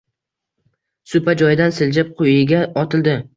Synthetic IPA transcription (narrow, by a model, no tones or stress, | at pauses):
sʊpad͡ʒɒjɪd̪ansɪld͡ʒap̚qʰʊjɪɡʲaɒt̪ʰɪld̪ɪ